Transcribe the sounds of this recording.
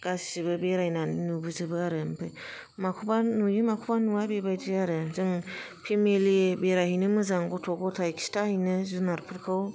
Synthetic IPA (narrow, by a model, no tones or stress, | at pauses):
ɡ̥assibɯbeɾajnaninubɯzɯbɯaɾɯmpʰɯ | makʰubanujɯmakʰubanuwabebajdiaɾɯzɯŋ | pʰemeliebeɾahinɯmɯzaŋɡɔtʰɔɡɔtʰajkstʰahijnɯzunaɾpʰɯɾkʰɯw